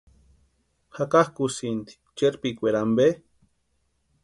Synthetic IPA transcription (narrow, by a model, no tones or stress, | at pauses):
hakahkusint̪i̥t͡ʃeɾpikʷeɾambe